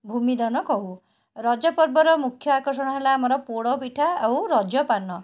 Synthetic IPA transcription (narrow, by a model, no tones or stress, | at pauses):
bʱumid̪ɔnɔkɔɦu | ɾɔd͡ʒɔpɔɾbɔɾɔmukʰjɔakɔɾs̬ɔɽ̃ɔɦelaːmɔɾɔpoɽɔpiʈʰaawɾɔd͡ʒɔpanɔ